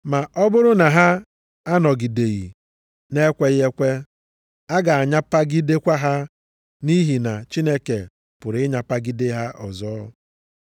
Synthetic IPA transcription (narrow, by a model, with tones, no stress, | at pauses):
ma˨ʔɔ˦bʊ˦ɾʊ˦na˨ɦa˦ | a˦nɔ˨ɡi˨de˨ɣi˨ | ne˦kʷe˦je˦kʷe˦ | a˦ɡa˨a˨ɲa˦pa˦ɡi˦de˦kʷa˦ɦa˦ | ni˦ɦi˨na˨t͡ʃi˦ne˦ke˨ | pʊ˨ɾɪ˦ɲa˨pa˦ɡi˦de˦ɦa˦ʔɔ̰˨zɔː˦˨˦